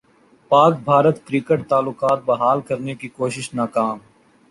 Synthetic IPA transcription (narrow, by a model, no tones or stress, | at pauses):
paːkbʱaːɾət̪kɾikəʈ̚t̪aːlːʊkaːt̪̚bɐɦaːlkɐɾnekikoːʃɪʃnaːkaːm